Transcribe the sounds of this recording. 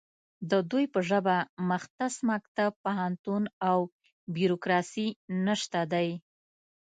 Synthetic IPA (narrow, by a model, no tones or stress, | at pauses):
d̪əd̪ujpəʒəbaməxt̪asmak̚t̪ab̚paɦant̪unaw | bjuɾokɾɑsinəʃt̪ad̪aj